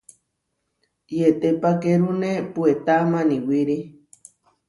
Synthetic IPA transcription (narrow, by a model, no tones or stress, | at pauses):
jet̪epakeɾunepuet̪amaniwiɾi